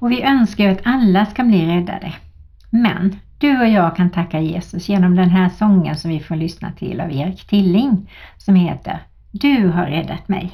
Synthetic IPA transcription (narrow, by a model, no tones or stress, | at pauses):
ɔvɪʔœnskajat̪ʰalːaskabliːɾɛd̪ːa̰d̪ə | mɛ̰nd̪̥ɵɔjɑːɡkʰant̪ʰakːajeːsɵsjeːnɔmd̪ɛnɦæːsɔŋːənsɔmvɪfoːɾɭʏsna̰t̪ʰɪ̰la̰veːɾɪkt̪ʰɪlːɪŋsɔmheːt̪ə̰ɾ | d̪ɵɦaɾːɛd̪ːat̪mɛ̰j